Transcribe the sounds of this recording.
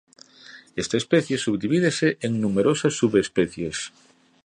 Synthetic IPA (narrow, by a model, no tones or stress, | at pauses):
est̪aespɛθjesuβd̪iβið̞eseʔeŋnumeɾosɐsːuβespɛθjes